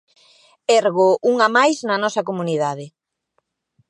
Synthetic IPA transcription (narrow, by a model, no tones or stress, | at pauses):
ɛɾɣoʔuŋamajznɐnɔsɐkomuniðaðɪ